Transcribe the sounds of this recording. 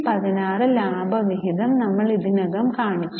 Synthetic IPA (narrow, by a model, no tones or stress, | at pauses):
pɐðinaːrɨlaːbʱɐʋiɦiðɐmnɐmːɐɭiðinɐɣɐmkaːɳit͡ɕʲː